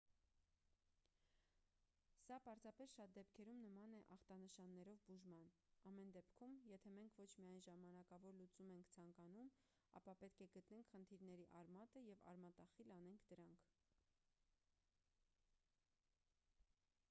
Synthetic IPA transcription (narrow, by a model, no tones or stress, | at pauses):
sɑpɑɾzɑpɛsʃɑt̪̚d̪ɛpkʰɛɾumnəmɑnɛʔɑχt̪ɑnəʃɑnːɛɾɔvbuʒmɑn | ɑmɛnd̪ɛpkʰumjɛt̪ʰɛmɛŋkʰvɔt͡ʃʰmiɑjnʒɑmɑnɑkɑvɔɾlut͡sumɛŋkʰt͡sʰɑŋkɑnum | ɑ̰pɑpɛt̪kʰɛɡət̪nɛŋkʰχənt̪ʰiɾnɛɾiʔɑɾmɑt̪əjɛvɑ̰ɾmɑt̪ɑχilɑnɛŋkʰd̪əɾɑŋkʰ